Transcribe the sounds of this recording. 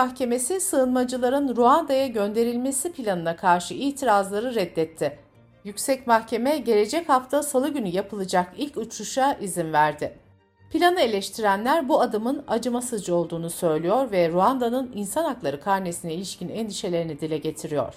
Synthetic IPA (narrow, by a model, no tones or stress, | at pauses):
axcʰe̞me̞sisɯːnmad͡ʒɯlˠaɾɯnɾuand̪ajaɟø̞nd̪e̞ɾilʲme̞sipʰilʲanɯnakʰaɾʃɯʔiːt̪ʰiɾazlˠaɾɯɾɛd̪ːɛt̪ʰːɪ | jycʲsɛcmaxcʰe̞mɛɟe̞ɾe̞d͡ʒɛchaft̪ʰasalˠɯɟynyjapʰɯlˠɯd͡ʒakilʲcut͡ʃɾuʃaʔizinvæɾd̪ɪ | pʰilʲanɯe̞lʲɛʃt̪ʰiɾænlʲæɾbuad̪ɯmɯnad͡ʒɯmasɯd͡ʒɯo̞lˠd̪uːnusø̞jlʲijo̞ɾvɛɾuand̪anɯninsanaklˠaɾɯkʰaɾnesinɛilʲiʃcinɛnd̪iʃe̞lʲe̞ɾinid̪ilʲɛɟe̞t̪ʰiɾijo̞̰ɾ̥